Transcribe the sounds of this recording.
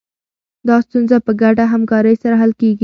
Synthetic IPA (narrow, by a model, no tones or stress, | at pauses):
d̪ɑst̪unzapəɡaʈaɦamkɑɾəjsaɾaɦalkeɡi